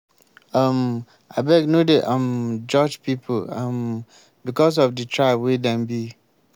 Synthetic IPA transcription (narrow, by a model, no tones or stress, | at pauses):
am | aɪbɛɡnodeʔãmd͡ʒɔd͡ʒpipʰoam | bikɔs̬ɔfdɨtʰɹaɪbwidɛ̃mbi